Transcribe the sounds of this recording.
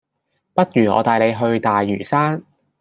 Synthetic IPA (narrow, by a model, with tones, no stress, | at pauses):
pɐ˥t̚jyː˨˩ŋɔ̰ː˨˧t̪aː˨jle˨˧jɦɵ˧ɥt̪aː˨jːy̰ː˨˩saː˥n